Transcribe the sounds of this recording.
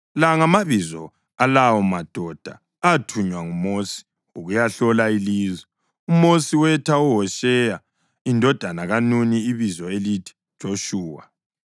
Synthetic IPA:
laŋamaβizɔ | alawɔmad̥ʱɔd̥ʱa̰ | atʰuɲwaŋumoːsi̥ | uɣujaɬɔlailiːzwɛ | umosiwɛtʰauɦɔʃɛja | indʱɔd̥ʱanaɣanuniiβizɔelitʰi̥d̥ʒ̥ʱoʃuːwa̰

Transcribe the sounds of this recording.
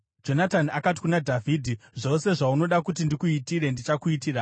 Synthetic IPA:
d͡ʒo̞nataniakat̬i̥kunadʱavʱidʱiʐo̞se̞ʐauno̞ɗakut̬indikuitiɾe̞ndit͡ʃakuitiːra

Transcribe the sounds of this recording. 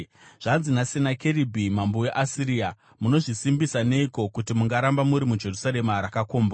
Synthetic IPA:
ʐ̥anzinasinakeɾibʱimamboe̞ʔasiɾiːa | muno̞ʐisimbisane̞iko̞kutimuŋɡaɾambamuɾimud͡ʒe̞rusaɾe̞maɾakakoːmba

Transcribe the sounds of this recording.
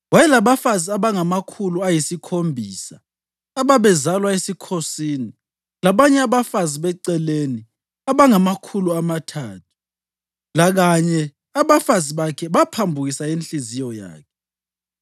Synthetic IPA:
wajɛlaβafaziaβaŋamakʰuluajisikʰombʱiːsaː | βaβɛzalwaesikʰosiːni | laβaɲɛaβafaziβɛǀɛleni | aβaŋamakʰuluamatʰaːtʰu̥ | laɣaɲɛ | aβafaziβakʰɛβapʰambʱuɣisaenɬizijɔja̰ːkʰɛ̥

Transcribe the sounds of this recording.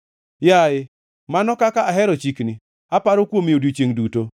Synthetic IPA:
jaɪ | manɔkakaaɦɛɾɔt͡ʃikni | apaɾokwomiodot͡ʃeŋduto

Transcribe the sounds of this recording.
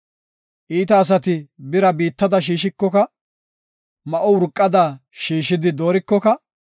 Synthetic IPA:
ʔiːt̪ɐːs̬ɐt̪ɪbɪɾɐbiːt̪ːɐd̪ɐʃ̬iːʃ̬ɪkːɔkɐ | mɐʔɔʊɾkʼːɐd̪aː | ʃiːʃɪd̪ɪd̪oːɾɪkːɔkɐ

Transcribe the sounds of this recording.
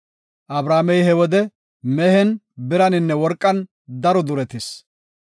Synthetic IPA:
ʔɐbɾaːmɛjhɛwɔd̪ɛ | mɛhɛn | bɪɾɐnɪnːɛwɔɾkʼːɐn | d̪ɐɾɔd̪ʊɾɛt̪ɪs

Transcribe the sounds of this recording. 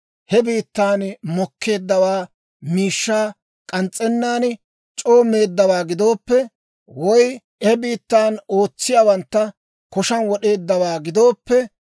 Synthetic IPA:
hɛbiːt̪ːaːnmɔkʰːe̞ːd̪ːɐwaː | miːʃːaː | kʼɐnt͡sʼːɛnːaːn | t͡ʃʼo̞ːmːe̞ːd̪ːɐwaːɡɪd̪o̞ːpːɛ | wɔj | ɛbiːt̪ːaːnoːt͡sːɪjaːwɐnt̪ːɐ | kɔʃɐnwɔɗe̞ːd̪ːɐwaːɡɪd̪o̞ːpːɛ

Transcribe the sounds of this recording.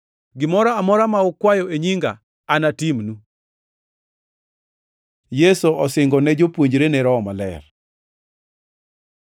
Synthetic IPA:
ɡɪmɔɾaamɔɾamaɔkwajɔeɲiŋɡa̰ | anatimnu | jesoʔɔsɪŋɡɔnɛd͡ʒopwoɲd͡ʒɾenɛɾɔmalɛ̰r

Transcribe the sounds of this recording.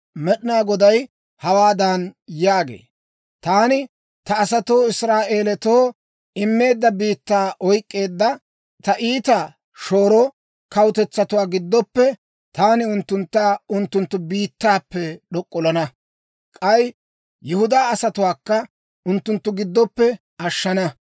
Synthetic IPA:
mɛɗɪnaːɡɔd̪ɐj | hɐwaːd̪anjaːɡe̞̰ː | t̪aːnɪ | t̪ɐːsɐt̪oːɪsɾaːʔe̞ːlɛt̪oː | ɪmːe̞ːd̪ːɐbiːt̪ːaːʔɔjkʼːe̞ːd̪ːɐ | t̪ɐʔiːt̪a | ʃo̞ːɾoː | kɐwt̪ɛt͡sːɐt̪ʊwaːɡɪd̪ːɔpːɛ | t̪aːnɪʊnt̪ːʊnt̪ːaːʊnt̪ːʊnt̪ːʊbiːt̪ːaːpːɛɗɔkʼːɔlɐnɐ | kʼɐj | jɛhʊd̪aːɐsɐt̪ʊwaːkːɐ | ʊnt̪ːʊnt̪ːʊɡɪd̪ːɔpːɛ | ɐʃːɐnɐ

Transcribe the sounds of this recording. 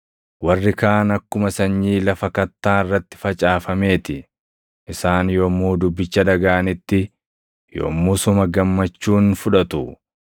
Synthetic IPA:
wɐrːɪkaːnɐkːʊmɐsɐɲːiːlɐfɐkɐt̪ːaːɪrːɐt̪ːɪ̥fɐt͡ʃʼaːfɐme̞ːt̪ɪ | ʔɪsaːnjoːmːuːd̪ʊbːɪt͡ʃːɐᶑɐɡaːnɪt̪ːɪ | jo̰ːmːuːsʊmɐɡɐmːɐt͡ʃːuːnfʊᶑɐt̪ʊ

